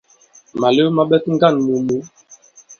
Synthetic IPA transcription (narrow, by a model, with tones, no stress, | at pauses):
ma˨le˦ma˦ɓɛ˦tŋ̩˦ɡa˦˨nmu˨mu˨˦